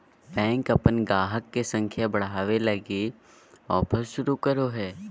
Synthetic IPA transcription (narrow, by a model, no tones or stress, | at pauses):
bɛ̃ːŋkɐpənɡaːɦəkːesə̃ŋkʰjabɐɽ̤aːʋelɐɡe | ɔːpʰəsʃʊɾukəɾoɦɛː